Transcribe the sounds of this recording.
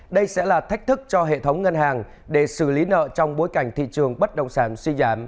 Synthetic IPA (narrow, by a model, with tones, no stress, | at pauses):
ɗə˧jsɛ̰˧˥laː˨˩t̪ʰa˦˥k̚t̪ʰɨ˦˥k̚t͡ɕɔ˧ɦḛ˧˨t̪ʰə˨˦wŋ͡mŋə˧nɦaː˨˩ŋ | ɗe˧˩sɨ˧˩li˨˦nə̰ː˧˨t͡ɕɔ˧wŋ͡mɓo˨˦jka˧˩jŋ̟t̪ʰḭ˧˨t͡ɕɨ˨˩əŋɓə˦˥t̚ɗə̰˧˨wŋ͡msaː˧˩nswi˧zaː˧˩m